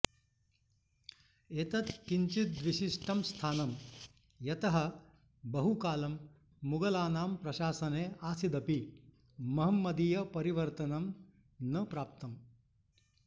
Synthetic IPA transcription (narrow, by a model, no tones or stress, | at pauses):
eːt̪ɐt̪kiɲt͡ʃit̪̚d̪ʋiʃiʂʈɐmst̪ʰaːnɐm | jɐt̪ɐɦɐ | bɐɦukaːlɐmː | uɡɐlaːnaːmpɾɐʃaːsɐneːaːsid̪ɐpi | mɐɦɐmːɐd̪ijɐpɐɾiʋɐɾt̪ɐnɐm | nɐpɾaːp̚t̪ɐm